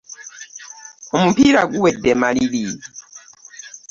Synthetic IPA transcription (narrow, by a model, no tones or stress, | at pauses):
umupiɾaɡuwɛdɛmaliliː